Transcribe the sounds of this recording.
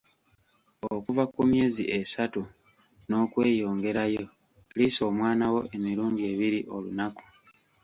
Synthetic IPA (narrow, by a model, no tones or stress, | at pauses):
okuvakumje̞ːziʔe̞satu | no̞ːkwe̞ːjo̞ːŋɡe̞ɾajo̞ | liso̞ːmwaːnawo̞ʔe̞miɾuːnɟie̞βiɾiʔo̞lunaku̥